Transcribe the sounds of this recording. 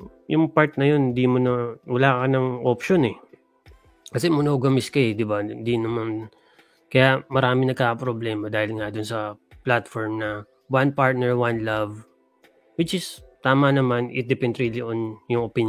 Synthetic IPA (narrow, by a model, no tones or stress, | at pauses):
jʊŋpaɹt̪̚nɐjond̪imonɐwɐlaːkɐnɐŋʔopʃonɛ | kɐsɛmʊnoɡɐmɪskɐɛd̪ɪbad̪inɐmɐn | kɐjamɐɾaːmɪnɐɡ̚kakɐpɾoblɛːmɐd̪aːhɪlŋad̪ʊnsɐplat̪foɹmnɐ | wanpaɹt̪̚nɛɹwanlav | wɪt͡ʃɪst̪aːmɐnɐmanɪ̰t̪̚d̪ɛpɛnd̪ɾiliʔonjʊŋopin